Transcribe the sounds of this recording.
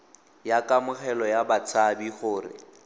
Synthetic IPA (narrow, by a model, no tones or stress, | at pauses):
jakʼamʊχɛlɔjabat͡sʰabiχʊːrɪ̰